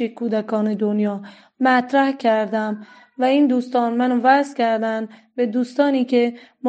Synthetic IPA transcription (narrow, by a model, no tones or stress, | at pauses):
ekʰuːd̪ækʰɒːned̪onjɒː | mæt̪ʰɾæhcʰæɾd̪æm | væiːnd̪uːst̪ɒːnmænovæzkʰæɾd̪ænbed̪uːst̪ɒːniːcʰem